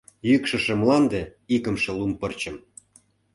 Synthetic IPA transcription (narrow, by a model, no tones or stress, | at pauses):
jykʃə̆ʃĕmlɑnd̪eikə̆mʃĕlumpɤ̆rt͡ɕə̆m